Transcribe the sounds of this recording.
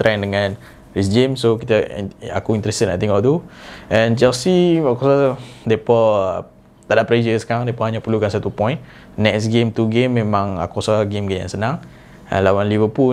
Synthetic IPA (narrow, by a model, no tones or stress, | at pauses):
t̪ɾʔɛndəŋãn | ɾisd͡ʒemsokit̪əa̰kuint̪ɾɛsəna̰t̪iŋɔʔt̪uɛ̃nt͡ʃɛlsiakɔsadepɔ | t̪adaʔpɾed͡ʒəsə̥kaŋdepɔhaɲapəlukansat̪upɔ̃jnː | ɛksɡemt̪uɡemːẽmãŋa̰kɔsaɡemɡemja̰ŋsənãŋ | ə̰nlawanlivəpu